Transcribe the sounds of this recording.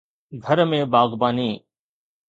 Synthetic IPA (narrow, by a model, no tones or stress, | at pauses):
ɡʱəɾmẽːbaːɡbaːniː